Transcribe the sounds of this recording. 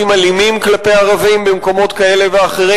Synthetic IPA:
imalimimklape̞jaʁavimbemko̞mo̞t̪kae̞le̞veaχeʁe

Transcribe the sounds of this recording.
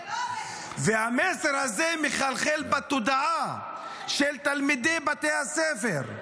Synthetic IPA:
vehameseʁhazemeχalχelbat̪od̪aa | ʃelt̪almid̪ebat̪ejhasefeʁ

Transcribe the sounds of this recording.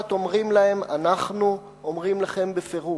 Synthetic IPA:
t̪o̞mʁimlahe̞ma̰naχnu | omʁimlaχe̞mbefeʁu

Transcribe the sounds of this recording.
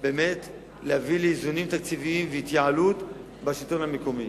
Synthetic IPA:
be̞ːme̞t | lehavileizunimt̪akt͡siviimveit̪jaalut̪ | baʃito̞nhame̞ko̞mi

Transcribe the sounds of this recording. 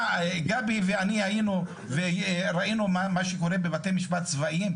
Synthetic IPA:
ɡabiveaniainu | veɾainumamaʃeko̞ɾe̞bevatemiʃbat̪̚t͡svaʔim

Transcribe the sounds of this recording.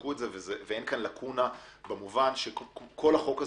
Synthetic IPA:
kuetzevezevee̞nkanlakʰunabemuvanʃekkʰo̞laχo̞ka

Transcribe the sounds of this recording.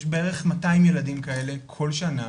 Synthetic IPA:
ʃbeeʁe̞χmataimje̞ladimkae̞le̞kʰo̞lʃana

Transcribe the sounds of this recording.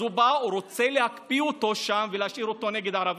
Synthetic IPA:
ubauɾo̞t͡selehakpiot̪o̞ʃamveleaʃiɾot̪o̞neɡed̪ʕaɾav

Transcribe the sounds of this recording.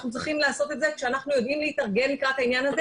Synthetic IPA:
χnut͡s̬ʁiχimlaːso̞t̪et̪zekʃeanaχnujo̞d̪imleit̪aʁɡe̞nmikʁat̪hainjanaz

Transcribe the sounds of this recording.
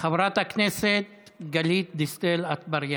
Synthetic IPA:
xɐbɾat̪ɐkʰnesetɡɐliːt̪̚d̪ist̪eːlɐt̪ʰbɐɾjã

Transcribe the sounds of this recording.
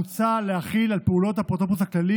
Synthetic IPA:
ut͡sale̞haχilalpeulo̞t̪hapt̪opusaklali

